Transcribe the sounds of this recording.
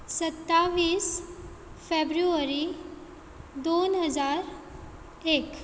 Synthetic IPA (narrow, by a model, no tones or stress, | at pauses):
sət̪ːaʋiːs | febɾuəɾi | d̪onɦəd͡zaɾ | eːk